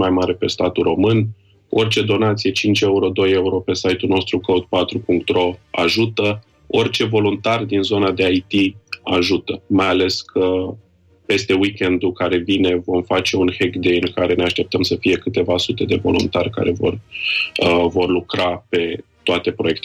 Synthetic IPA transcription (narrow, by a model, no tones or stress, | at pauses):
majmaɾepe̞st̪at̪uro̞mɨn | o̞rt͡ʃe̞d̪o̞nat̪sije̞t͡ʃint͡ʃe̞uɾo̞d̪o̞je̞uɾo̞pe̞sajt̪uno̞st̪ɾukoud̪̚pat̪ɾupuŋk̚t̪ro̞aʒut̪ə | o̞rt͡ʃe̞vo̞lunt̪ard̪inzo̞nad̪e̞ajt̪iaʒut̪əmajale̞skʰə | pe̞st̪e̞wikʲe̞nd̪ukaɾe̞vine̞vo̞mfat͡ʃe̞unhekd̪ejnkaɾe̞ne̞aʃt̪e̞p̚t̪əmsəfije̞kɨt̪e̞vasut̪e̞d̪e̞vo̞̰lṵnt̪arʲka̰ɾe̞vo̞̰rəvo̞rlukɾape̞t̪oat̪e̞pɾo̞je̞kt̪e